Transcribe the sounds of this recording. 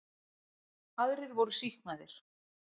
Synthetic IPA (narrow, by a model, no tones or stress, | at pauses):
aðɾɪɾvowɾʏsiknaðɪɾ̥